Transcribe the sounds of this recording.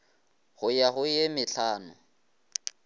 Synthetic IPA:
ɣʊjaɣʊjemɪɬaːnʊ̰

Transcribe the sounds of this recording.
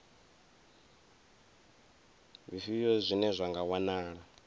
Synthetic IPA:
βifijɔzʷinɛzʷaŋɡawanaːɺa

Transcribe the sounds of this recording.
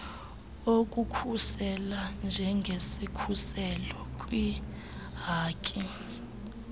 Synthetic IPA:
okʼukʰusɛland͡ʒʱɛŋɡʱesikʰusɛlɔkʼwi | ɦaːkʼi

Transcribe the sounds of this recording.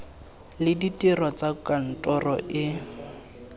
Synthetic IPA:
lɪditʼirɔt͡sakan̩tʼɔrɔ̰ʔɪ

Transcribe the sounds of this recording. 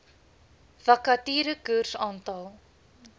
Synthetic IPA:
vɐkatiːɾəkʉrsɑːntɑlˠ

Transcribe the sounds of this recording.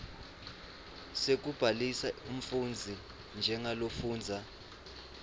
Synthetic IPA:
sek̬ub̥ʱalisaum̩fund͡zʱi | nd͡ʒʱɛŋalofuːnd͡zʱa

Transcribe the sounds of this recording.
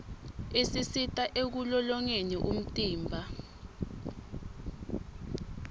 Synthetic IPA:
esisitʼaʔek̬ulɔlɔŋeniʔṵm̩tʼiːmbʱa

